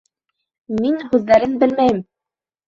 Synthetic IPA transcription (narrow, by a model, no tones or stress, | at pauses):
minhʉðːæɾɘnbɘlmæjɘm